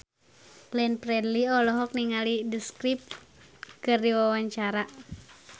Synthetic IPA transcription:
lɛnpɾɛdliɔlɔɦɔk̚niŋalidiskɾip̚kɨrdiwawaɲt͡ʃaɾa

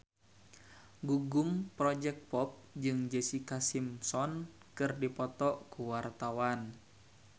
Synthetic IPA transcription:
ɡuɡumpɾɔd͡ʒɛk̚t̪̚pɔp̚d͡ʒɨŋd͡ʒəsikasimsɔn | kɨrdipɔt̪ɔʔkuwart̪awan

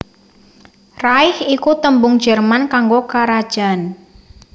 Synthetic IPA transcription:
raɪhikut̪əmbʊŋ̥d͡ʒərmankaŋɡokaɾad̥ʒ̥an

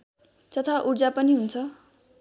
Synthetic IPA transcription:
t͡sʌt̪ʰaʔuɽd͡zapʌniɦunt͡sʰʌ

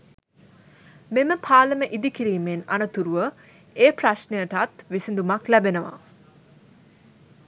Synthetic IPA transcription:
meməpʰaːləməʔid̪ikiɾiːmenanət̪uɾuʋə | eːpraʃnejəʈat̪ʋisind̪umaklæbenəʋa̰

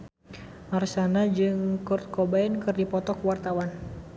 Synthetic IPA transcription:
marsanad͡ʒɨŋkʊrt̪̚kobaɛnkɨrdipɔt̪ɔkwart̪awan

